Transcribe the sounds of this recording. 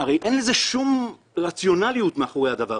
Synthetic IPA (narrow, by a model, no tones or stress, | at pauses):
aʁejʔe̞nleze̞ʃum | ʁat͡sjo̞nalijut̪meaχoʁe̞jhad̪ava